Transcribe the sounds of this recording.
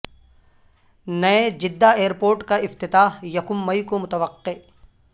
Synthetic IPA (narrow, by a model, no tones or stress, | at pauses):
nɐed͡ʒɪd̪ːaeːəɾpoːɾʈkaɪft̪ɪt̪aːɦjɐkʊmːɐjkomʊt̪əʋɐqːe